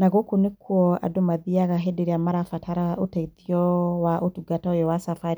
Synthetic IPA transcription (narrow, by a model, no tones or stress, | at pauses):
naɣokonekʰuɔa̰domaðiaɣaɦedeɾiamaɾafatʰaɾaʔotaitiɔwaʔotuɡatɔjɔwasafaɾi